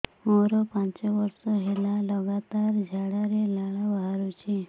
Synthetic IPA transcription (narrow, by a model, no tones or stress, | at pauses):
moɾɔpãɲt͡ʃɔʋəɾsɔɦelaləɡat̪aɾd͡ʒʱaɽaɾelaɭabʱaɾut͡ɕe